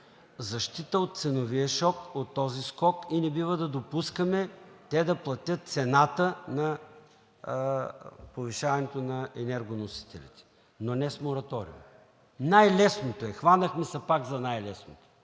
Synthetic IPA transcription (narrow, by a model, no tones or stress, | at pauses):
zɐʃt̪it̪əot̪̚t̪sɛnoviəʃɔkot̪ːɔziskɔkinɛbivəd̪ɐd̪opuskəmɛt̪ɛd̪ɐplˠɐt̪ʲjət̪̚t̪sɛnat̪ənɐ | poviʃavɐnɛt̪onɐɛnɛɾɡonosi̥t̪ɛlʲḭt̪ɛ̥ | nonɛsmoɾɐt̪ɔɾḭṵm | najlɛsnot̪oɛxvanəxmɛsɐpakzɐnajlɛsnot̪o̥